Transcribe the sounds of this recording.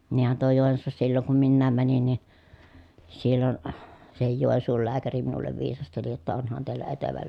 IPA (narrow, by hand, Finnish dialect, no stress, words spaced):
niːhæn tuo joˑensuːsːɑ silːoŋ kum minːæːm mænin nin̞ silːon sehij joˑi̯nsuːl læːkæri minulːeʋ ʋiːsɑsteli jotːɑ onhɑn teilːæ eteʋæ